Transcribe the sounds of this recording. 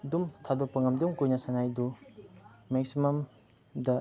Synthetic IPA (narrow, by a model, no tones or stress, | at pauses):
dumtʰadopɐŋɐmdumkujnasanajdu | meksimɐm | dɐ